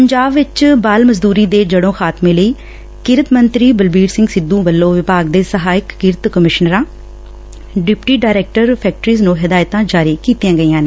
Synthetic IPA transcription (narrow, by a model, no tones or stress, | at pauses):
pəɲd͡ʒaːbʋɪt͡ʃbaːlməzd̪uːɾiːd̪eːd͡ʒəɽõːxʰaːt̪mẽːləiː | kɪɾət̪mənt̪ɾiːbəlbiːɾsɪ̃ŋɡsɪd̪ːũːbəlːõːʋɪpaːɡ̚d̪eːsəɦaːɪkːɪɾt̪kəmɪʃnəɾãː | ɖɪpʈiːɖaːɪɾeːk̚ʈəɾpʰɛːk̚ʈɾiːznũːɦɪd̪aːɪt̪ãːd͡ʒaːɾiːkiːt̪jãːɡəiːãːneː